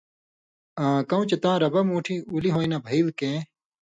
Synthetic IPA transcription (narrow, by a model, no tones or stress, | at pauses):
ãːkɐ̃ũt͡ɕɐt̪ãːɾɐbɐmũːʈʰiːuliɦoːinaːbʱɐiwkẽː